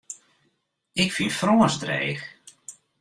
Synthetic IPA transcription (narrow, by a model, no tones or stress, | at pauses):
ɪkfinfroːəsdrɾḛːx